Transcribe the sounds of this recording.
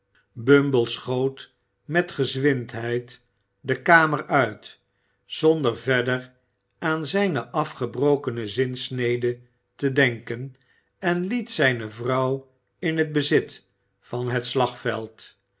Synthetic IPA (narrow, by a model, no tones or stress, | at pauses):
bɵmbəlˠsχowt | mɛtχəzʋɪntɦɛjt | dəkaːməɹœɥt | z̥ondəɹvɛdər | aːnzɛjnəʔɑfχəbrowkənəzɪnsnejdə | tədɛŋkən | ɛnlitsɛjnəvrɑw | ɪnɦəd̚bəzɪt | fɑnɦətslɑχfɛ̰lˠt